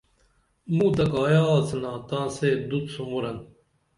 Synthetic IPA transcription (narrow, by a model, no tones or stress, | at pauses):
mũːt̪ɐkaːjaːt͡sɐnãːt̪ãːseːd̪ut̪sumuɾɐn